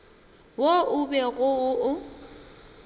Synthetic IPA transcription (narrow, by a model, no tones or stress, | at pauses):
woʊbɛɣʊʊʊ